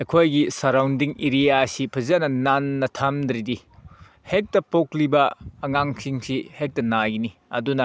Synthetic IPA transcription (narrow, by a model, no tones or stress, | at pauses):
ekʰojɡisɐɾawndiŋiɾijasipʰɐzanɐnanːɐtʰamd̪ɾidi | hek̚tɐpoklibɐːŋaŋsiŋsihek̚tɐnaɡiniɐdunɐ